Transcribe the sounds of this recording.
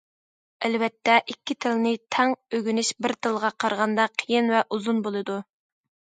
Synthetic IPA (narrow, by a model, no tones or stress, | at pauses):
ælvɛt̪ʰːɛʔikʲːit̪ʰɪlnɪt̪ʰɛŋøɡʲynɪʃbɪɾt̪ʰɨlˠʁɑqʰɑɾʁɑnd̪ɑqʰijinvɛʔuzunbolˠɨd̪u